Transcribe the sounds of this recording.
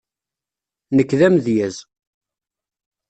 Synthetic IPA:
nəkːðæmðjæz

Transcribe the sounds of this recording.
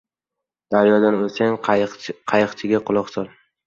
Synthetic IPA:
d̪̥aɾjɒd̪anosaŋqʰɑjɨqt͡ʃʰɪɡʲaqʰʊlˠʊqsɒlˠ

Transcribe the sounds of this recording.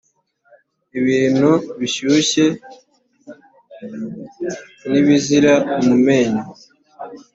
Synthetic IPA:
iβiːn̤̥huβiɕuːɕe̞ | niβiziɾaumume̞ːɲa

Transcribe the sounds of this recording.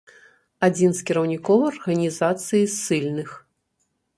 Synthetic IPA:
ad͡zʲinskʲiɾɐwnʲikɔvɨɐrɣɐnʲizat̪sɨjisɨlʲnɨx

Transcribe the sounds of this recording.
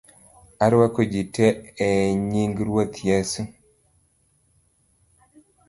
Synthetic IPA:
aɾwakod͡ʒiteːɲiŋɡɾwot̪jesu

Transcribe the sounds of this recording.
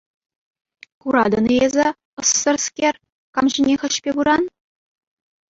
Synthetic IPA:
kuɾɑd̪ɤ̆nɤezʲɘ̆ | ɤ̆sːɤ̆rskʲerʲ | kɑmʑĭnʲexʲɘ̆ɕpʲebuɾɑn

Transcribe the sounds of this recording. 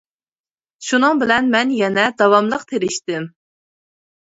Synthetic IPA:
ʃunɨŋbɪlɛnmɛnjɛnɛd̪ɑwɑmlˠəq̚t̪ʰeɾɪʃt̪ɪm

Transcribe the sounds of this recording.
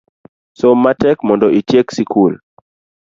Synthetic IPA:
somatɛkmɔndɔʔit͡ʃjeksikʰul

